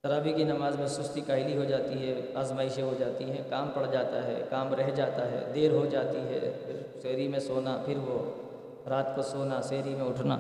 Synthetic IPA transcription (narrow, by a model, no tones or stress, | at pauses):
tɐɾaːbʱikinɐmaːzmẽsʊst̪ikaːɦɪliɦod͡ʒaːt̪iɦɛaːzmaːɪʃeɦod͡ʒaːt̪iɦɛ̃kaːmpɐɽd͡ʒaːt̪aɦɛ̰ːkaːmɾɛɦd͡ʒaːt̪aɦɛ̰ːd̪eːɾɦod͡ʒaːt̪iɦɛ̰ːpʰɪɾseːɾimẽsoːnapʰɪɾʋo | ɾaːt̪kosoːnaseːɾimẽʊʈʰna̰ː